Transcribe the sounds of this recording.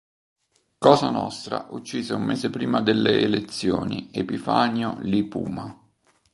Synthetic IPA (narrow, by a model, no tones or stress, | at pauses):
kɔːzanɔst̪ɾa̰ʔut͡ʃːiːzeumːeːsepɾiːmad̪elːeːlet̪sːjoːniepifaːnjolipṵːma